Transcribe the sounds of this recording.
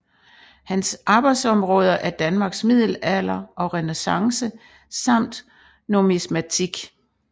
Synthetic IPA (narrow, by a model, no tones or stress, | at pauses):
hænsʔɑ̈ːb̥ɑ̈ɪd̥sɒ̽mʁɔ̽ːð̞ˠɐʔæɐd̥ænmɑ̈ːɡ̥smið̞̰ˠl̩ælɐʔɒ̽ʁɛnesɑ̈ŋsə | sɑ̈m̰d̥ | nomismæt͡sʰiɡ̥